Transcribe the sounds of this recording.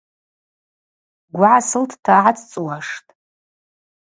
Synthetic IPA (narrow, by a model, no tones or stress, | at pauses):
ɡʷaʕasɨltʰtʰaʕatʰt͡sʼwaʂtʼ